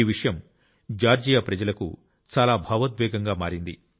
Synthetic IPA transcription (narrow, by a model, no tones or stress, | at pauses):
iːʋiʂɐjɐm | d͡ʒaːɾd͡ʒijɐpɾɐd͡ʒɐlɐkṵ | t͡ʃaːlaːbʱɐːʋɐt̪ʋɛːɡɐŋɡaːmaːɾind̪i